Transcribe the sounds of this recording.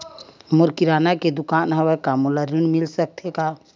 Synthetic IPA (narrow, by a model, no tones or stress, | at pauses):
moɾkiɾanaked̪ukanɦəwɛkamuləɾunmilsək̚t̪ʰeka